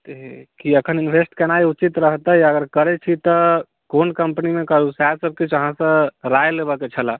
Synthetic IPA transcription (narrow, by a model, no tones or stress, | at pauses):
t̪ekiəkʰəninbʱesʈkenajut͡ʃit̪ɾəɦt̪əjəɡəɾkəɾet͡ʃʰit̪ə | konkəmpənimekəɾusasəb̚ket͡ʃʰəɦãsə̃ɾajlebəket͡ʃʰəla